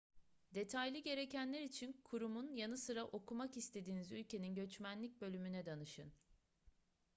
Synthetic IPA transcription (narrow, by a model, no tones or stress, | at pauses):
d̪e̞t̪ʰajlʲˠɯɟe̞ɾe̞cænlʲeɾit͡ʃʰinkʰuɾumunjanɯsɯɾaʔo̞kʰumakist̪ʰe̞d̪iːnizylʲcʰe̞ninɟø̞t͡ʃmænlʲic̚ʲbø̞lʲymynɛd̪anɯʃɯ̰n